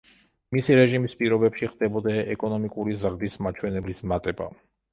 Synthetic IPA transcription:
misiɾɛʒimispʼiɾɔbɛpʃiχd̪ɛbɔd̪aʔɛkʼɔnɔmikʼuɾizɾd̪ismat͡ʃʰwɛnɛblismat̪ʼɛba̰

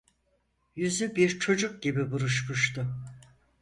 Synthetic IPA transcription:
jyzybiɾt͡ʃʰo̞d͡ʒuk̚ɟibibuɾuʃmuʃt̪ʰʊ

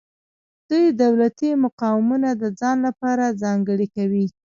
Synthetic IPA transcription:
d̪̥ujd̪awlat̪imʊqɑwɪmunad̪əd͡zɑnlapɑɾad͡zɑŋɡəɽikawi

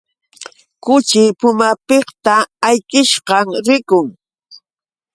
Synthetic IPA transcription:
kʊt͡ʃɪpʊmapeχt̪aːjkɪʃɢɑŋɾɪkʊŋ

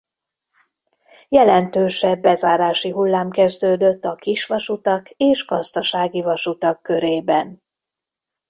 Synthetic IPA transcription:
jɛlɛnt̪øːʃɛbːɛzaːɾaːʃiɦulːaːmkɛzd̪øːd̪øt̪ːɒkiʃʋɒʃut̪ɒkeːʃɡ̥ɒzd̪ɒʃaːɡivɒʃut̪ɒkːøɾeːbɛn

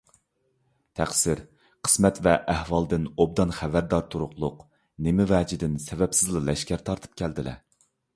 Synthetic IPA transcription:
t̪ʰæχsɪɾ | qʰə̥smɛt̪vɛʔæhwɑlˠd̪ɨnob̚d̪ɑnχævæɾd̪ɑɾt̪ʰuɾʊχlˠʊq | nemɪvɛːd͡ʒid̪ɪnsɛvɛpsɪzlˠɨlɛʃkʲæɾt̪ʰɑɾt̪ʰɨ̥p̚kʲʰɛld̪ɪlɛ̰

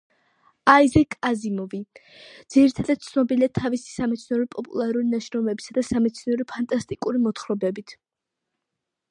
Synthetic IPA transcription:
aizɛkʼazimɔvi | d̪̥z̥iɾit̪ʰad̪at̪̚t̪sʰnɔbiliat̪ʰavisi̥samɛt̪sʰnɔɾipʼɔpʼṵlˠaɾulinaʃɾɔmɛbisad̪asamɛt̪sʰniɔɾipʰant̪ʼast̪ʼikʼuɾimɔt̪χɾɔbɛbit̪ʰ

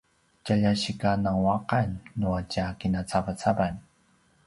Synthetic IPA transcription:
t͡ʃaʎaʃikanaŋwaqanːuat͡ʃakinat͡sapat͡sʰaban

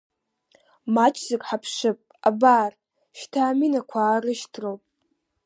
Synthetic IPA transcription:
mat͡ʃʰz̥ɪkʼħapʰʂɨpʼabaːr | ʃtʰaːminakʷʰaːrɨʃtʰrowpʼ

